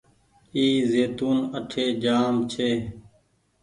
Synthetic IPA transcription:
iːzeːt̪uːnəʈʰeːd͡ʒaːmt͡ʃʰeː

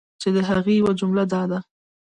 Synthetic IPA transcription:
t͡ʃed̪əɦaɣiwad͡ʒʊmlad̪ɑd̪a

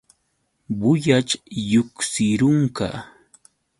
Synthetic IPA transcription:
bʊjat͡ʃjʊksɪɾʊŋka̰

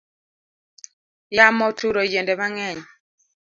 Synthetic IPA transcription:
jamɔtuɾod͡ʒendɛmaŋɛɲ

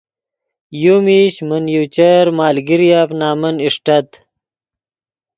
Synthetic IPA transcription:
jumiɕmənjut͡ɕɐɾmaːlɡiɾjafnaːmɐniʂʈɐt̪

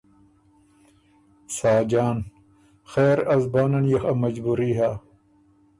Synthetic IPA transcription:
saːd͡ʑaːn | xeːɾɐzbaːnɐnjɐxɐmɐd͡ʑbuɾiːɦaː

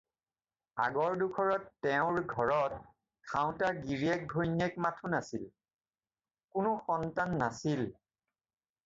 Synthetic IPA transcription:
a̰ɡɔɹdukʰɔɹɔtːɛʊ̃ɹɡʱɔɹɔt̚ | kʰaʊ̃taɹɡiɹiɛk̚ɡʱojnɛkmatʰunasil | kʊnʊxɔntanːasil

